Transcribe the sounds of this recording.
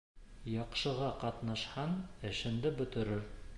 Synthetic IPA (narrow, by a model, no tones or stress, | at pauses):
jɑqʃɤ̆ʁɑqɑt̪nɑʃhɑnɘ̆ʃɘ̆nd̪ɘbɵ̆t̪ɵ̆ɾɘɾ